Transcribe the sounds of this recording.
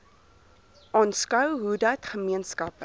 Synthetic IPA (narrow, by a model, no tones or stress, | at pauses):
ʔɑːnskəwɦudɐtχəmiənskɐp